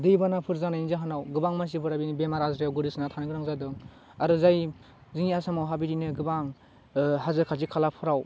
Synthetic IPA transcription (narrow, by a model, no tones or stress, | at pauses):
dɯjbanapʰɯɾzanajnizaɦanawɡɯbaŋmans̬ipʰɯɾabinibemaɾazɾejawɡɯɾisnatʰanɯɡɯɾaŋzadɯŋ | aɾɯzaj | ziŋiasamawɦabiɾinɯɡɯbaŋ | ɦazɯɾkʰalzikʰalapʰɯɾaw